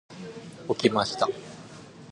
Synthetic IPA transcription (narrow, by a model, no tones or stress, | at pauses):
okʲimaɕi̥t̪a